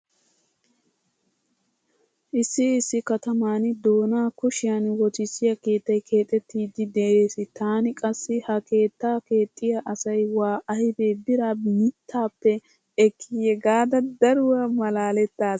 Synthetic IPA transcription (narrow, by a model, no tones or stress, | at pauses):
ʔɪsːɪːsːɪkɐt̪ɐmaːnɪd̪o̞ːnaːkʊʃɪjɐnwɔt̪ɪsːɪjɐke̞ːt̪ːɐjkʰe̞ːt̪ʼːɛt̪ːiːd̪ɪd̪eʔeːsɪt̪aːnɪkʼɐsːɪhɐke̞ːt̪ːaːke̞ːt̪ʼːɪjaʔɐsɐjwaːʔɐjɪbe̞ːbɪɾamɪt̪ʰːaːpːɛ | ɛkʰːijɛɡaːd̪ɐd̪ɐɾʊwɐmɐlaːlɛt̪ːaːs